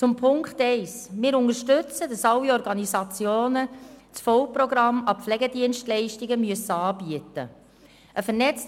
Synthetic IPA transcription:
t͡sʊmpʰʊŋkχtɛɪsmɪːɾʊŋəʃtʏt͡sədɑsɑlːiɔɾɡɑnisɑt͡sjoːnət͡sfɔwprɔɡɾɑmɑflɛɡədiənʃtlɛɪʃtiɡəmyəsəɑːbiətə̰ | ʔəfəɾnɛt͡st

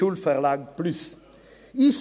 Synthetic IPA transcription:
ulfœʁlɑːɡplʉs | is

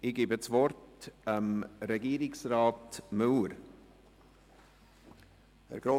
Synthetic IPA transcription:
ɪɡ̥iːbət͡svɔrtəmɾɛɡiːɾɪksrɑːtmʉːɾ | ə̰ɾɡ̥ɾo

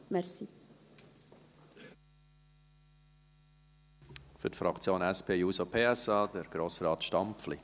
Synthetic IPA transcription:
mɛɾsi | fʏɾtfɾɑkt͡sjoːnɛspʰeːjuːsopʰeːɛsɑːd̥̪əɾɡ̥ɾoːsɾɑːt̪ʃtɑmpflḭ

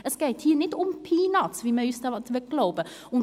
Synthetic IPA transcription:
ʔɛsɡ̥ɛːthiːnɪtʊmpʰiːnɑtt͡sviːmɛysdɑtʋɛɡ̥laʊbə | ʊn

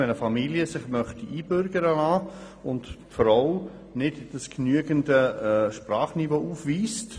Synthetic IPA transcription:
ɛnəfɑmiljəsɪχmœχtiʔiːbʏɾɡəɾəlaː | ʊnt | fɾaʊ | nɪtd̥əsknyəɡəndəʃpɾaːχnivoːʔuːfviːst

